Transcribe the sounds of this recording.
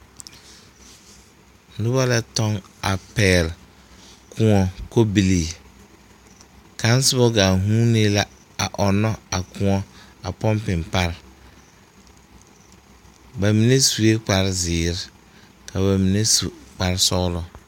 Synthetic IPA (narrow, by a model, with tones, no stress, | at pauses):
nʊ˦ba˦la˦tɔ˦ŋa˨pɛː˦˨l | kʰʊ̃˦ŋɔ˨ko˦bi˨li˨ | kã˨˦n˦sɪ˦bɔ˦ɡa˨ɦũ˦ne˦la˦ | a̰˨ʔɔ˨nɔ˦a˨kʰʊ̃˦ŋɔ˦a˨pɔ˦mpɪ˨mpa˦ɾ | ba˨mi˨ne˦su˨e˦k͡pa˨ɾzɪː˨ɾɪ˦ | kʰa˨βa˨mĩ˨ne˦su˨k͡pa˨ɾsɔ˦lʊ˨